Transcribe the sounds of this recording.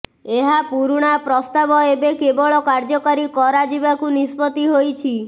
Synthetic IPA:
eɦapuɾɽ̃apɾɔst̪abɔebekebɔɭɔkaɾd͡ʒɔkaɾikɔɾad͡ʒibakunispɔt̪iɦojt͡ʃʰi

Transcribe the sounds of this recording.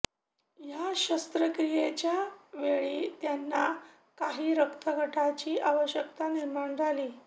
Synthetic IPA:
jaɕəst̪ɾəkɾijet͡ɕjaʋeɭiːt̪janːa | kaɦiːɾəkt̪ʰəɡʱəʈʰat͡ɕiːʔaʋəɕjəkt̪aniɾmaɳd͡zʱaliː

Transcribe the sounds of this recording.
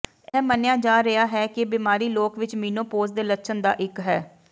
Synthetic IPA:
ɛːmənɪjaːd͡ʒaːɾəaːɦɛːkɪbɪmaːɾiːloːkʋɪt͡ʃmiːnoːpoːzd̪eːlətːʃʰənd̪a̰ːʔɪkɦɛː

